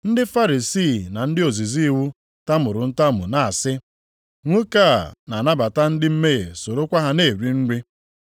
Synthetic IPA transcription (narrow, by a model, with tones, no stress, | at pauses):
n̩˦dɪ˦fa˦ɾi˨siː˦˨na˨n̩˦dɪ˦o˨zi˨zi˦i˦wu˦ | ta˦mʊ˨ɾʊ˨n̩˦ta˦mʊ̰˨na˨a˨sɪ˦ | ŋʷu˦ka˦˨na˨na˦ba˨ta˦n̩˦dɪ˦m̩˦me˦ɣe˨so˨ɾo˦kʷa˦ɦa˦ne˦˨ɾi˨n̩˦ɾi˦